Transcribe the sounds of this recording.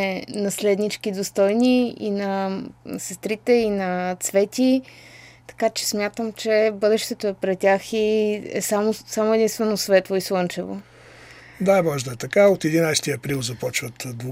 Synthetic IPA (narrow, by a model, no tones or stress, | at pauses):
ɛnɐslɛd̪nit͡ʃkid̪ost̪ɔjniinɐsɛst̪ɾit̪ɛinɐt̪svɛt̪ʲi | t̪ɐ̥kat͡ʃɛ̥smʲjat̪əmt͡ʃɛbɤd̪ɛʃt̪ɛt̪oɛpɾɛt̪ʲaxiɛ̰samosamoɛd̪inst̪vɛnosvɛt̪lˠoiswˠɤnt͡ʃɛvo̰ | d̪aɛmɔʒd̪ət̪ɐkaot̪ɛd̪inajst̪iɐpɾilˠzɐpɔt͡ʃvət̪d̪